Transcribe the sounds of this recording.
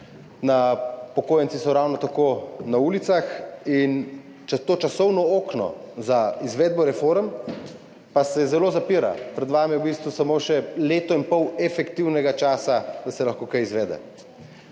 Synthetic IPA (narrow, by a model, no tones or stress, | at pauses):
napɔkoːjəntsisɔɾawnɔt̪akoːnauːlit̪saxin | t͡ʃt̪oːt͡ʃasɔwnɔoːknɔ̰zaizʋɛːd̪̚bɔɾɛfoːɾm | pasɛzɛloːzapiɾa̰pɾɛd̪ʋaːmijɛubist̪ʋusamoːʃɛleːt̪ɔinpɔwɛfɛkt̪iwnɛɡat͡ʃaːsad̪asɛlaxkoːkajizʋɛːd̪ɛ̰